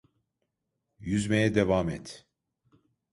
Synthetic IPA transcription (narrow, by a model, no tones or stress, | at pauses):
jyzmejɛd̪evamɛt̪